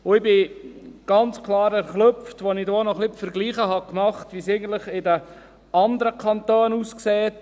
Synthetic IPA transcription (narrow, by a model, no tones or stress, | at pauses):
ʊɪbɪ | ɡ̥ɑnt͡skʰlˠɑːɾæɾχlɵpftʋɔnidoːnɔχlɪpfəɾɡliːχəɦɑkmɑχtʋiːseɪɡən̩t̪lɪχɪdə | ɑnd̪əɾəkʰɑnt̪oːnuːskseːt